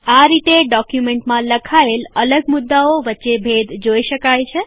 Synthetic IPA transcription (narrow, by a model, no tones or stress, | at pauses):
aɾit̪eɖɔkjumẽɳʈmãləkʰaelələɡmʊd̪ːaoʋətːʃebʱed̪d͡ʒoiʃəkajt͡ʃʰe